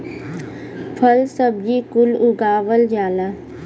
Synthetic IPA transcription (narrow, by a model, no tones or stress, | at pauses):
pʰəlsəb̚d͡ʒiːkʊlʊɡaːʋəld͡ʒaːla